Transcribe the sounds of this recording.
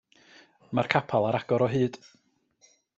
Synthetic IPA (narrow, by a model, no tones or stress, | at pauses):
markʰapʰalˠaɾaɡ̥ɔɾɔɦɨːd̥